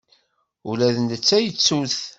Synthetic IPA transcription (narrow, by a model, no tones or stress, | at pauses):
ulæðənd̪ət͡sːæjət͡sːuθ